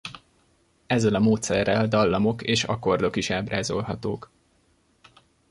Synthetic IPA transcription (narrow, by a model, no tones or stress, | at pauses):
ɛzːɛlɒmoːt̪sɛrːɛld̪ɒlːɒmo̞keːʃɒ̰ko̞rd̪o̞kiʃaːbraːzo̞lɦɒt̪oːk